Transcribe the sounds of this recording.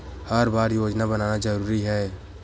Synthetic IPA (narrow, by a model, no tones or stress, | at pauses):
həɾbaːɾjoːd͡ʒnabənaːnad͡ʒəɾuːɾiɦɛː